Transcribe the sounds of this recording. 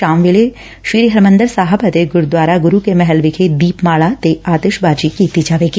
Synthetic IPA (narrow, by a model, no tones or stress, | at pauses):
aːmʋeːle | ʃiːɾiɦɐɾmə̃nd̪əɾsaːɦapɐt̪eɡʊɾd̪ʋaːɾaɡʊɾukemɛɦɛlʋɪkʰed̪iːpmaːɭat̪eaːt̪eʃbaːd͡ʒikit̪id͡ʒaːʋeːɡi